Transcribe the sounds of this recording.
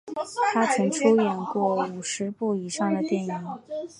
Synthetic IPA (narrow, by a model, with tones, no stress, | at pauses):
t̪ʰa˥t͡sʰɤ˧˥ŋʈ͡ʂʰo˥ʊjɛ˨˩nkwɔ˥˩u˨˩ʂɻ̩˧˥pu˥˩i˨˩ʂɑ˥˩ŋd̪ə˩t̪jɛ˥˩ni˨˩˦ŋ